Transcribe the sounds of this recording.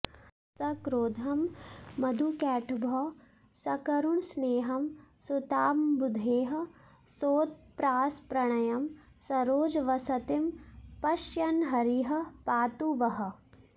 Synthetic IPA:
sɐkɾoːd̪ʱɐmːɐd̪ʱukɛːʈʰbʱɔː | sɐkɐɾuɳsneːɦɐmsut̪aːmbud̪ʱeːɦɐ̆ | soːt̪̚pɾaːspɾɐɽ̃ɐjɐm | sɐɾoːd͡ʒʋɐsɐt̪ɪmpɐʃjɐnɦɐɾiɦɐ̆paːt̪uʋɐɦɐ̆

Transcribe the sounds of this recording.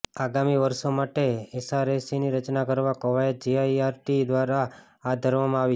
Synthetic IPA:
aɡamiʋəɾsomaʈeesaɾesiniɾət͡ʃnakəɾʋakoʋajəd͡ʒiajaɾʈid̪ʋaɾa | ad̪ʱəɾʋamãaʋi

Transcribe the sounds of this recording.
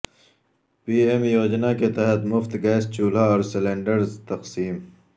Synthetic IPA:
piːemjoːd͡ʑnaket̪ɐɦət̪mʊft̪ɡɛːst͡ɕuːlaɔːɾsɪleːɳɖəɾzt̪ɐqsiːm

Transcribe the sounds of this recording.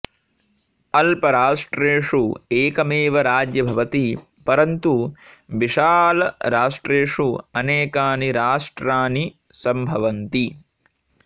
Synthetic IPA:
ɐlpɐɾaːʂʈɾeːʂueːkɐmeːʋɐɾaːd͡ʒjɐbʱɐʋɐt̪i | pɐɾɐnt̪uʋiʂaːlɐɾaːʂʈɾeːʂuɐneːkaːniɾaːʂʈɾaːni | sɐmbʱɐʋɐnt̪i

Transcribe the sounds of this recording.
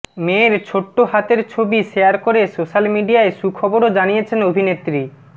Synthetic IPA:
meɾt͡ɕʰoʈːoɦat̪eɾt͡ɕʰobiʃejaɾkoɾesoʃalmiɖiaeʃukʰɔboɾod͡ʑanijet͡ɕʰenobʱinet̪ːɾi

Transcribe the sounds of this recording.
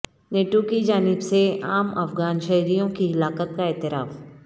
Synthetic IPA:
neːʈokid͡ʒaːnɪbseaːmɐfɡaːnʃɐɦɾijõkiɦɪlaːqət̪̚kaɛːt̪ɪɾaːf

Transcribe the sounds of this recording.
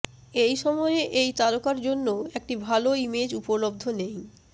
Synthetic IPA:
ejʃɔmɔeeʔejt̪alokaɾd͡ʑonːoek̚ʈibʱaloimed͡ʑupolob̚d̪ʱonej

